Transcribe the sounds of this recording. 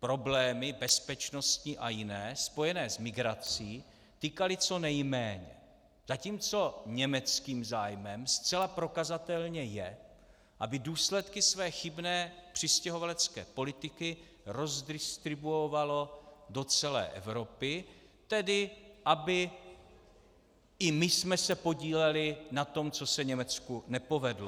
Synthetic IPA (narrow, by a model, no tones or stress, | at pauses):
pɾo̞blɛːmɪbɛspɛt͡ʃno̞st̪ɲiʔajɪnɛːspo̞jɛnɛːzmɪɡɾat͡siː | t̪ikalɪt͡so̞nɛjmɛːɲɛ̰ | z̥aciːmt͡so̞ɲɛmɛt͡skiːmzaːjmɛmst͡sɛlapɾo̞kazat̪ɛlɲɛjɛ | ʔabɪduːslɛt̪kɪsvɛːxɪbnɛːpr̝̥ɪscɛɦo̞valɛt͡skɛ̰ːpo̞lɪt̪ɪkɪ | ɾo̞zdɪst̪ɾɪbuovalo̞dot͡sɛlɛ̰ːʔɛ̰vɾo̞pɪ | t̪ɛdɪʔabɪ | ɪmɪsmɛsɛpo̞ɟiːlɛlɪnat̪o̞mt͡so̞sɛɲɛmɛt͡skunɛpo̞vɛdlo